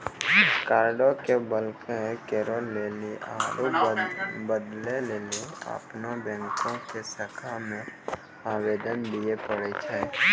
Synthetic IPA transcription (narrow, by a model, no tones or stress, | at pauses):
kaːɾɖokebəlkekeːɾoːlːeːliʔa̰ːɾu | bəd̪leleːliə̰pnobɛ̃ːŋkõkesəkʰamẽ | aːweːd̪ənd̪iepəɽet͡ʃʰɛ